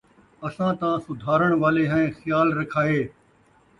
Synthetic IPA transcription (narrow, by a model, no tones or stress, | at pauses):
ɐsãːt̪ãːsʊd̪ʱaːɾəɽ̃ʋaːleːɦɛ̃xɪjaːlɾɐkʰaːeː